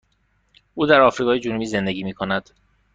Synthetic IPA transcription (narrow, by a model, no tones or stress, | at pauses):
ʔuːd̪æɾɒːfɾiːɣɒːjed͡ʒunubiːze̞nd̪eɟiːmiːkʰo̞næd̪̥